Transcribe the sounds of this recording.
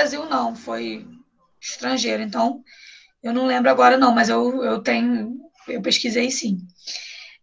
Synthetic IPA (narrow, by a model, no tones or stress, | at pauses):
ɾaziwnɐ̃w̃foj | iʃt̪ɾɐ̃ʒejɾʊẽnt̪ɐ̃w̃ | ewnɐ̃w̃lẽmbɾʊaɡɔɾɐnɐ̃w̃mɐzewewt̪ẽɲʊ | ewpeʃkizejsĩ